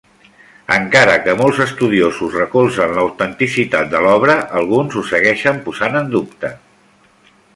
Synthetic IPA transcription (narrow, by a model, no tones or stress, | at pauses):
əŋkaɾəkəmolˠzəst̪uð̞iozuzrəkulˠzənləwt̪ənt̪isit̪at̪̚d̪əlɔβ̞ɾəʔəlˠɣunzusəɣɛʃəmpuzanənd̪up̚t̪ə